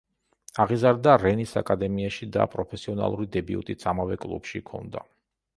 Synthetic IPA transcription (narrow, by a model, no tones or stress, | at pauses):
aʁizaɾd̪aɾɛnisakʼad̪ɛmiaʃid̪a̰pʼɾɔpʰɛsiɔna̰lˠuɾid̪ɛbiṵt̪ʼit̪sʰamavɛkʼlˠṵbʃikʰɔ̰nd̪a